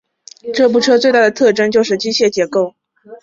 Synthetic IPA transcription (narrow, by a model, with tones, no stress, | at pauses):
ʈ͡ʂɤ˥˩p̬u˥˩ʈ͡ʂʰɤ˥t͡swt̪a˥˩d̪ə˩t̪ʰɤ˥˩ʈ͡ʂɤ˥ŋt͡ɕjo˥˧ʊʂ̬ɻ̩˥˩t͡ɕi˥ɕʰjɛ˥˩t͡ɕjɛ˧˥ko˥˩ʊ